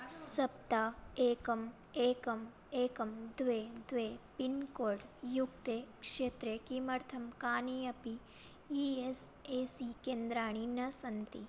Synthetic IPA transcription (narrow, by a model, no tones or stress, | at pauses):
sɐp̚t̪aeːkɐm | eːkɐm | eːkɐmd̪ʋed̪ʋepinkoːɾɖjukt̪ekʂet̪ɾekimɐɾt̪ʰɐmkaːniɐpi | ies | esikeːnd̪ɾaːɳ̃inɐsɐnt̪i